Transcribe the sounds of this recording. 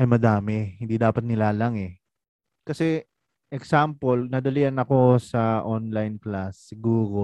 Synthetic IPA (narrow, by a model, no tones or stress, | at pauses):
ʔɐjmɐd̪aːmɛhɪnd̪iːd̪aːpɐt̪̚nɪlaːlaŋɛ | kɐsɛ | ʔɛksampolnɐd̪ɐliʔɐnɐko̞sɐʔonlajnklasːɪɡuːɾo̞